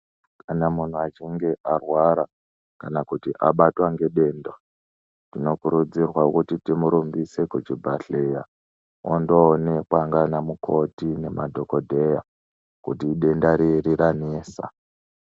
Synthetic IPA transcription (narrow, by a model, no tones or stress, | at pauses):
kʰanamun̤uat͡ʃiŋɡe̞ʔarwaɾa | kanakutiʔaɓatwaŋɡe̞ɗe̞ːnda | tino̞kuɾud͡zirwakutitimuɾumbise̞kut͡ʃibʱaɬeja | ondoːne̞kwaŋɡanamukʰo̞tine̞madʱoko̞dʱe̞ja | kutiːɗe̞ndaɾiriɾaneːsa̰